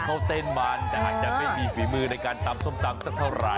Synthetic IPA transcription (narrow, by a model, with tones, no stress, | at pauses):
kʰɔ˧˩t̪eː˧˩nmaː˨˧˥nt̪ɛː˧˩ʔaː˨˩t̪̚t͡ɕa˨˩ʔma˥˩jmiː˧fiː˩˦mɯː˧na˧jkaː˧nt̪a˧mso˥˩mt̪a˧msaː˦˥˩k̚t̪ʰa˥˩wɾa̰˨˧˦